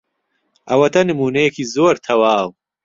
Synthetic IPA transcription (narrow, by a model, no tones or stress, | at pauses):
ʔɐwɐt̪ʰɐnɨmuːnɐjɐkiːzoːɾt̪ʰɐwaːw